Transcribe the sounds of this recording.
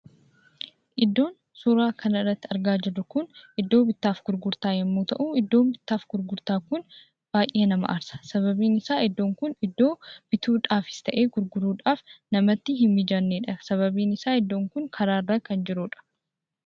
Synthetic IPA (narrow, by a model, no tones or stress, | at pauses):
ʔɪd̪ːo̞ːn | suːɾaːkʰɐnɐɪrːɐt̪ːɪɐɾɡaːd͡ʒɪrːʊkʊnʔɪd̪ːo̞ːbɪt̪ːaːfɡʊɾɡʊɾt̪aːjɐmːoːt̪ɐʔuːɪd̪ːo̞ːmbɪt̪ːaːfɡ̥ʊɾɡʊɾt̪aːkʊn | b̥aːjʔe̞ːnɐmɐ̰ʔɐɾsɐ̥sɐβɐbiːnɪsaːɪd̪ːo̞ːŋkʊnɪd̪ːo̞ːb̥ɪt̪ʰuːᶑaːfɪ̥st̪ɐʔe̞ːɡʊɾɡʊɾuːᶑaːfnɐmɐt̪ːɪɦɪmːɪd͡ʒɐnːeːᶑɐsɐβɐbiːnɪsaːɪd̪ːo̞ːŋkʊŋkʰɐɾaːrːakɐnd͡ʒɪɾuːᶑɐ̥